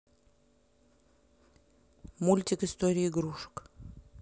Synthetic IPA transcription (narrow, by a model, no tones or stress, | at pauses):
mulʲt̪ʲikɨst̪oɾʲɪjɡɾuʂə̥k